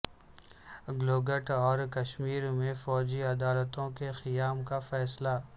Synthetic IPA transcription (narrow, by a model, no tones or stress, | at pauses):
ɡloːɡəʈɔːɾkɐʃmiːɾmẽfɔːd͡ʒiɐd̪aːlət̪õkexɪjaːmkafɛːsla